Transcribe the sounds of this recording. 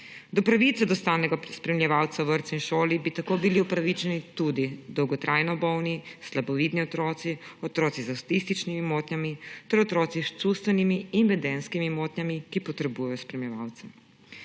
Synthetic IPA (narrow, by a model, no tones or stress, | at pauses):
d̪ɔpɾaʋiːt̪sɛd̪ɔst̪aːnɛɡaspɾɛmljɛʋawt̪saʋəɾt̪sinʃoːlibit̪akoːbiliupɾaʋit͡ʃɛnit̪ud̪id̪ɔwɡɔt̪ɾʔaːjnɔbɔwnislabɔʋiːd̪niɔt̪ɾɔːt̪siɔt̪ɾɔːt̪izast̪ist̪it͡ʃnimimoːt̪nʲjamit̪ɛɾɔt̪ɾɔːt̪sist͡ʃust̪ʋɛnimiːnʋɛd̪ɛnskimimoːt̪nʲjamikipɔt̪ɾɛbuːjajɔspɾɛmjɛʋawt̪sɛ